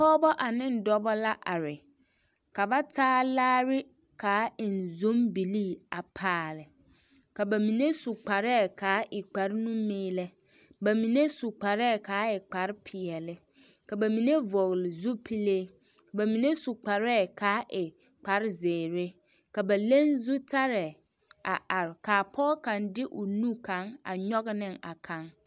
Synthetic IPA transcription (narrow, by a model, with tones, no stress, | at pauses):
ɔː˦bɔ˦ʔa˨nɪ̃˦n̩˨dɔ˦bɔ˦la˦ʔa˨ɾɪ˨ | kʰa˨ba˦tʰaː˦laː˦ɾɪ˦ | kʰaː˨˦ɪ˨n̩˨zõ˦mbi˨li˦˨a˨pʰaː˦˨lɪ˨ | kʰa˨bæ˨mĩ˨nẽ˦su˨k͡pa˨ɾɛ˦˨kʰaː˨˦ʔɪ˨k͡pa˨ɾnũ˦mẽ˦lɛ˦ | bæ˨mĩ˨nẽ˦su˨k͡pa˨ɾɛ˦˨kʰaː˨˦ɪ˨k͡pa˨˦ɾpʰɪ˨ɛ˨lɪ˦ | kʰa˨bæ˨mĩ˨nẽ˦vɔ˨ɣlɪ˨zu˦pʰi˦le˦ | bæ˨mĩ˨nẽ˦su˨k͡pa˨ɾɛː˦˨kʰaː˨˦ʔɪ˨ | k͡pa˨ɾzeː˨ɾe˦ | ka˨bɛ˨lẽ˦nzu˦tʰa˦ɾɛ˨ | a˨ʔa˨ɾkʰaː˨pʰɔː˦kʰã˨ndɪ˦ʔʊ˨nũ˦kʰã˨˦ŋa̰˨ɲɔ˦ɡnɪ̃˦˨ŋa˨kʰã˦ŋ